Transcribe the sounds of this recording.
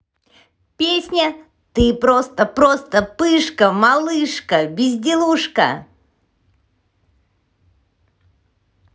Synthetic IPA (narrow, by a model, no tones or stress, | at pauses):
pʲesʲnʲə | t̪ɨpɾost̪əpɾost̪əpɨʂkəmɐlˠɨʂkəbʲɪzʲdʲɪlˠuʂkə̰